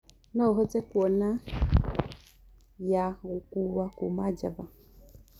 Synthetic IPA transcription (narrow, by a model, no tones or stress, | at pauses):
nɔɦɔt͡sɛkwɔna | jaukuwakumad͡ʒa̰va